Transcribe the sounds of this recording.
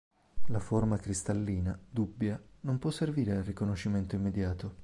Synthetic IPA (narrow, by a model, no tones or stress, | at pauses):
laformakɾist̪alːiːnad̪ubːjanompwɔsːerviːɾealrikonoʃːiment̪oimːed̪jaːt̪o